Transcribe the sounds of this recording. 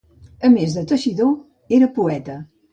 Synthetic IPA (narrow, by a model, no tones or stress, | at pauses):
əmezðət̪əʃiðo | eɾəpuɛt̪ə